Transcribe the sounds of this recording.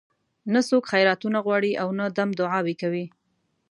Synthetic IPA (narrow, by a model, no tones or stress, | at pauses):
nasokxajɾɑt̪unaɣwɑɽiʔawnad̪amd̪ʊʕɑwekawi